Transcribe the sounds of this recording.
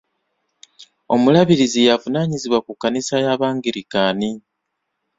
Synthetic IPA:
o̞mulaβiɾizijavunaːɲiziβwakukːanisajaβaːŋɡiɾikaːni

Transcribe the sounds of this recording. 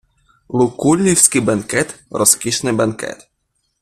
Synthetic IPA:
lˠukulʲːiwsʲkibankɛt̪ɾɔskʲiʃnɪbankɛ̰t̪

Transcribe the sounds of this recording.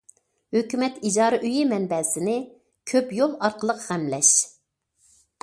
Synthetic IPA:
høkʲymɛt̪id͡ʒɑːɾɨʔyjimɛnbɛsɪnɪ | kʲʰøpjolˠɑɾqʰəlˠəqʁɛmlɛʃ

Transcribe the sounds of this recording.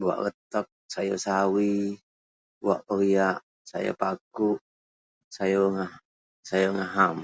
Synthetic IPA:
bua̰ʔɡət̪ɔk̚sajosawi | bua̰ʔpəɾiaʔ | sa̰ja̰pakuʔ | sajoŋa | sajoŋaɦam

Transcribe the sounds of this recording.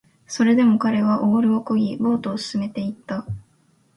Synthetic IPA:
so̞ɾe̞d̪e̞mo̞kaɾe̞βaʔoːɾɯ̟okoɡʲibo̞ːt̪o̞ːsɨ̥sɨme̞t̪e̞it̪ːa

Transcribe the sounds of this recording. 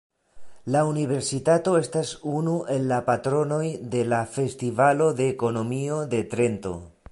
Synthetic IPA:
launive̞ɾsitato̞e̞stasunuʔe̞lːapatɾo̞no̞jd̪e̞lafe̞stivalo̞d̪e̞ːko̞no̞mio̞d̪e̞tɾe̞nto̞̰

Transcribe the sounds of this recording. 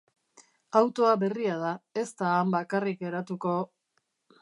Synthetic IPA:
awt̪o̞aβe̞riað̞ae̞st̪aːmbakarike̞ɾat̪uko̞

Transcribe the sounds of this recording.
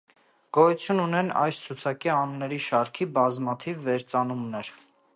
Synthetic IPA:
ɡ̥ɔjut͡sʰjununɛnɑ̰jst͡sʰut͡sʰɑkiɑnunːɛɾiʃɑɾkʰibɑzmɑt̪ʰivːɛɾt͡sɑnumnɛɾ

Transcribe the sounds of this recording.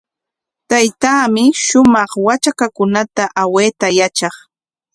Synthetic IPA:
t̪ajt̪aːmɪʃʊmɑχwat͡ʃakakʊnat̪aʔaweːt̪ajat͡ʃɑχ

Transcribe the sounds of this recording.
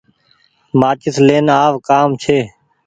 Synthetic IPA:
maːt͡ʃɪsleːnaːʋkaːmt͡ʃʰeː

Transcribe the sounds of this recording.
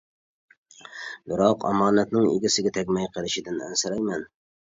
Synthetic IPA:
bɪɾɑqʰɑ̰mɑːnɛt̪nɪŋḛɡʲɪsɪɡʲɛt̪ʰɛkʲmɛjqʰəlˠɪʃɪd̪ɪnæ̰nsɪɾɛjmɛn

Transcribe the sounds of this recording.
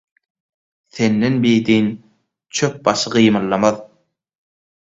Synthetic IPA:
θe̞nːenbijd̪in | t͡ʃʰøp̚bɑʃɯɢɯjmɯlˠːɑmɑð

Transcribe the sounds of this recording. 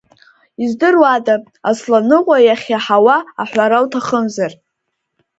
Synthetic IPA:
izdɨrwada | aslanɨqʷʼajaχʲaħawaaħᶣʷaɾawtʰaχəmzar

